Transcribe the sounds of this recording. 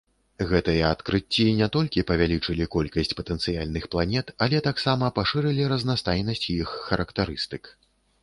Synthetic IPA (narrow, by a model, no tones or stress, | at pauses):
ɣɛt̪ɨjɐat̪kɾɨt͡sʲːinʲɛt̪ɔlʲkʲipɐvʲalʲit͡ʂɨlʲikɔlʲkɐsʲt͡sʲpɐt̪ɛnt̪sɨjalʲnɨxplˠanʲɛt̪ɐlʲɛt̪aksamɐpaʂɨɾɨlʲiɾɐznast̪ajnɐsʲt͡sʲjixːɐɾʔɐkt̪aɾɨst̪ɨk